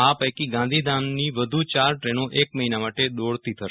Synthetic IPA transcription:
apəjkiɡãnd̪ʱid̪anniʋəd̪ʱut͡ʃaɾʈɾenoʔek̚məɦinamaʈed̪oɽt̪it̪ʰəʃ

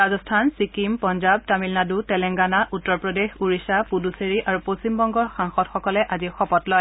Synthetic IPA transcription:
ɹazɔstʰansikimpɔnzab̚tamilnadutɛlɛŋɡanaʔutːɔɹpɹɔdexuɹisapuduseɹiʔaɹupostimbɔŋɡɔɹxaŋxɔtxɔkɔlɛʔazixɔpɔtlɔj

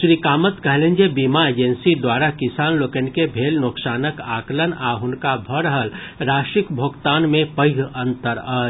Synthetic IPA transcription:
ʃɾikaːmət̪kəɦlẽnd͡ʒebimaeːd͡ʒənsid̪waːɾakɪsaːnloːkənkebʱeːlnoksaːnəkaːklənaːɦʊnkabʱəɽəɦəlɾaːʃʈɪkbʱoːɡt̪aːnmẽpəɪɡʱə̃nt̪əɾə

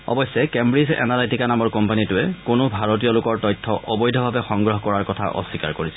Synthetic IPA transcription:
ɔ̰bɔjsːɛkɛmbɹizɛ̰naletikanamɔɹkɔmpanitʊɛkʊnʊbʱaɹotijɔlʊkɔɹtɔjtʰːɔʔɔbɔjdʱɔbʱabɛxɔŋɡɹɔɦɔkɔɹaɹkɔtʰa̰ʔɔ̰sika̰ɹkoɹisɛ

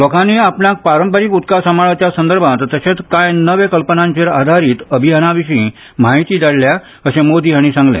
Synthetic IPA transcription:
lɔkanːeapɳjak̚paɾəmpəɾikut̪kasamaɭat͡ɕjasənd̪əɾbʱãt̪t̪əɕẽt͡skajnəʋekəlpənãɲt͡ɕeɾa̰d̪ʱaɾiːt̪əbʱiɦanaʋiɕĩː | maɦit̪iːd̪aɽlja | əɕẽmod̪iaɽ̃isãŋɡlḛ̃

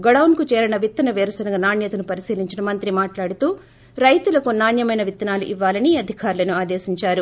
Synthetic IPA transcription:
ɡɔɽɐwnkut͡ʃɛːɾɐnɐʋit̪ːɐnɐʋeːɾɐsɐnɐɡɐnaːnjɐt̪ɐnupɐɾisiːliɲt͡ʃinɐmɐnt̪ɾimaːʈlaːɽut̪uː | ɾɐjt̪ulɐkunaːnjɐmɐjnɐʋit̪ːɐnaːluʔiʋːaːlɐniɐd̪ʱikaːɾlɐnuaːd̪eːsiɲt͡ʃaːɾu

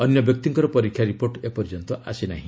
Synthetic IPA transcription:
ɔnjɔbjɔk̚t̪iŋkɔɾɔpɔɾikʰjaɾipoɾʈepɔɾd͡ʒɔnt̪ɔʔa̰sina̰ɦĩ

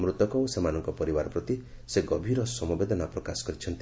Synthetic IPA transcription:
mɾut̪ɔkɔosemanɔŋkɔpɔɾibaɾɔpɾɔt̪i | seɡɔbʱiɾɔsɔmɔbed̪ʱɔnapɾɔkasɔ̥kɔɾit͡ʃʰɔnt̪

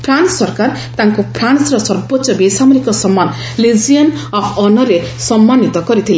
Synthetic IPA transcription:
pʰɾansɔɾkar | t̪aŋkopʰɾansɾʌsʌɾbɔtːsɔbesamɔɾikɔsʌmːan | lid͡zijɔnɔpʰɔnʌɾe | sʌmːanit̪ɔkʌɾit̪ʰile

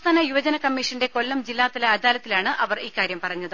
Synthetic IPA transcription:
t̪ʰaːnɐjuʋɐd͡ʑɐnɐkɐmːiʂɐnde̞ko̞lːɐmd͡ʑilːaːt̪ːɐlɐɐd̪aːlɐt̪ːilaːɳɨʔɐʋɐriːkːaːɾjɐmpɐrɐɲːɐðɨ

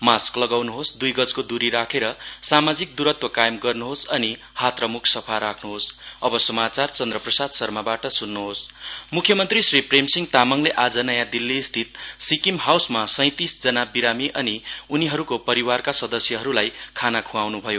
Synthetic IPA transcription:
masklʌɡawnuɦosd̪ujɡʌd͡zkod̪uɾiɾakʰeɾʌsamad͡zik̚d̪uɾʌt̪wʌkajemɡʌrnuɦosʌni | hat̪rʌmukʰsʌpʰaɾakʰnuɦosʌbʌsʌmat͡sart͡sʌnd̪rʌprʌsad̪sʌrmabaʈʌsunːuɦosmukʰjʌmʌnt̪risripremsiŋt̪amʌŋleʔad͡zʌnʌjãd̪ilːiːst̪ʰit̪sikimɦawsmasʌ̃j̃t̪isd͡zʌnabiɾamiʔʌniuniɦʌɾukopʌɾiwarkasʌd̪ʌsjʌɦʌɾulajkʰanakʰũawnubʱʌjo

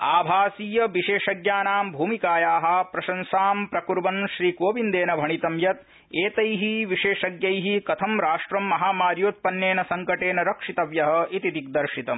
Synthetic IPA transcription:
aːbʱaːsiːjɐʋiʃeːʃɐɡjaːnaːmbʱuːmikaːjaːɦɐ̆pɾɐʃɐnsaːmpɾɐkuɾbɐmʃɾiːkoːʋind̪eːnɐbʱɐɳit̪ɐmjɐt̪̚ | eːt̪ɐjɦiʋiʃeːʃɐɡjɐjɦikɐt̪ʰɐmɾaːʂʈɾɐmːɐɦaːmaːɾjoːt̪̚pɐnjeːnɐsɐŋkɐʈeːnɐɾɐkʂit̪ɐʋjɐɦɐ̆it̪it̪ik̚d̪ɐɾʃit̪ɐm

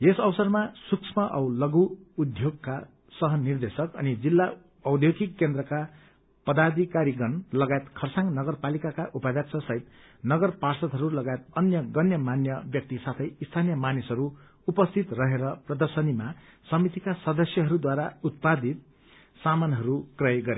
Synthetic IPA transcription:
esʌwsʌrmasuksʰmʌʔʌ̰wlʌɡuːd̪ʱjoɡ̚ka | sʌɦʌnird̪esʌkʌ̰nid͡zilːa | ʌwd̪ʱjoɡikːend̪ɾʌka | pʌd̪ad̪ʱikaɾiɡʌnlʌɡaet̪kʰʌrsaŋnʌɡʌrpalikakaʔupabjak̚t͡sʰʌsʌɦit̪ | nʌɡʌrparsʌt̪ɦʌɾulʌɡaet̪̚ʌnjʌɡʌnjʌmanjʌbjʌk̚t̪isat̪ʰʌjist̪ʰanijʌmanisʌɾu | upʌst̪ʰit̪rʌɦeɾʌprʌd̪ʌrsʌnimasʌmit̪ikasʌd̪ʌsjʌɦʌɾud̪waɾaut̪̚pad̪ʱit̪̚ | samanɦʌɾukrʌjɡʌɾe

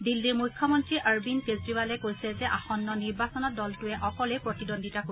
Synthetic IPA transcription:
dilːiɹmujkʰːɔmɔntɹiʔaɹbinkestibalɛkojsɛzɛʔaxɔnːɔniɹbasɔnɔt̚dɔltʊɛʔɔkɔlejpɹotidɔndʱitako

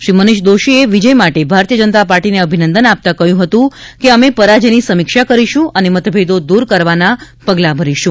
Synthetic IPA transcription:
ʃɾimənɪʃd̪oʃieʋid͡ʒəjmaʈebʱaɾt̪ijəd͡ʒənət̪apaɾʈineəbʱinənd̪ənap̚t̪akəɦjũɦət̪ũkeəmepəɾad͡ʒenisəmɪkʃakəɾiʃũʔənemət̪bʱed̪od̪uɾkəɾʋana | pəɡlabʱəɾiʃũ

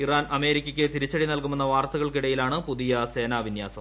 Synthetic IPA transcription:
iraːnɐme̞ːɾikʲːɐkʲːɨt̪iɾit͡ɕːɐɽinɐlkume̞nːɐʋaːrt̪ɐɣɐɭkiɽɐjilaːɳɨpuðijɐse̞ːnaːʋinjaːsɐm

